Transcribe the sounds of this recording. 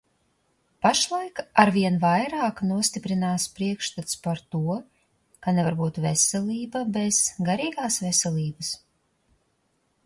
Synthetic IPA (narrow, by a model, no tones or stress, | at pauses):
paʃlˠajkaɾviɛnvajɾaːknuɔst̪ʲipɾinaːspɾiɛkʃt̪at̪spaɾt̪uɔ | kanɛvaɾbuːt̪vesɛlʲˠiːbabez̥ɡaɾiːɡaːsvesɛlʲˠiːbɨs